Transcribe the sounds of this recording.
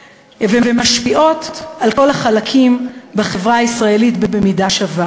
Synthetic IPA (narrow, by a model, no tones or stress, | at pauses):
vevemaʃpiʔo̞talko̞laχalakʰimbeχe̞vʁaisʁae̞litbebe̞midaʃava